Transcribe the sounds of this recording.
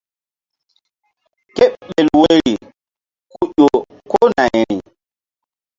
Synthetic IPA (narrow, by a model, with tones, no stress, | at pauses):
ke˦ɓɓe˨lwe˦ɾi˨ | ku˦ʄo˨ | ko˦na˨jɾi˨